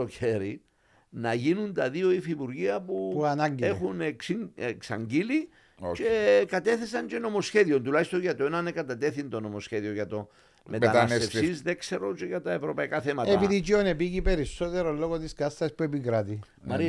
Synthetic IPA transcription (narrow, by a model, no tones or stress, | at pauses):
oçe̞ɾi | nɐʝinunt̪ɐðio̞ifipuɾʝiɐpupuanaɲɡiexunekeksɐ̰ɲɟili | t͡ʃekɐt̪e̞θe̞sɐɲt͡ʃe̞no̞mo̞sçe̞ðio̞nt̪ulɐçist̪o̞ɲʝɐt̪oenɐnekɐt̪ɐt̪e̞θint̪o̞no̞mo̞sçeðio̞ʝɐt̪o̞ | me̞ɐnaseefsizðe̞kse̞ɾot͡ʃeʝɐt̪ɐevɾo̞pɐikaθe̞mɐt̪epiðit͡ʃionepiʝipe̞ɾisːo̞t̪eɾolo̞ɣot̪iskɐst̪ɐspuepikɾat̪i | mɐɾi